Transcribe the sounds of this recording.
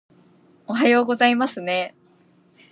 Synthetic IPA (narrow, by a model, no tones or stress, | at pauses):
oɦajo̞ːɡo̞zaimasɨne̞